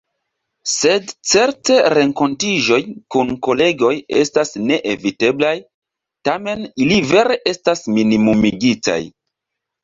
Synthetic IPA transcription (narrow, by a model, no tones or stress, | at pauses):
se̞dt͡se̞ɾte̞ɾe̞ŋko̞ntiʒo̞jkunko̞le̞ɡo̞jestasne̞ʔevite̞blaj | tame̞nilive̞ɾe̞ʔe̞stasminimumiɡita̰j